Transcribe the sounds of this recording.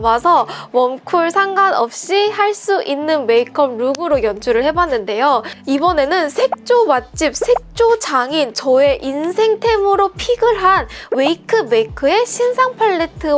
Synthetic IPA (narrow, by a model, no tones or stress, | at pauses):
masʰʌwʌmkʰuɭsʰaŋɡanʌp̚ɕ͈ihaɭs͈uʔinːɯnwe̞ikʰʌmɾuɡɯɾojʌnd͡ʑʰuɾɯɭhe̞bwanːɯnde̞joibʌne̞nɯnsʰe̞k̚t͡ɕ͈owat͡ɕ͈ip̚sʰe̞k̚t͡ɕ͈ot͡ɕaŋint͡ɕʌe̞ʔinsʰe̞ŋtʰe̞mɯɾopʰiɡɯɭɦanwe̞ikʰɯme̞ikʰɯe̞ɕʰinsʰaŋpʰaɭːe̞tʰɯ